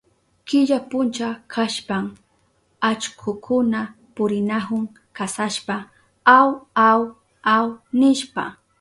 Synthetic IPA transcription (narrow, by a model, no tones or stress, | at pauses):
kɪʎapʊnt͡ʃakʰaʃpam | at͡ʃkʰʊkʰʊna | pʊɾɪnahʊŋ | kasaʃpa | awaw | awnɪʃpa̰